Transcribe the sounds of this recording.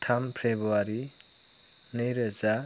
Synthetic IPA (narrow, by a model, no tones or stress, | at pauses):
tʰampʰebuaɾi | nejɾʌza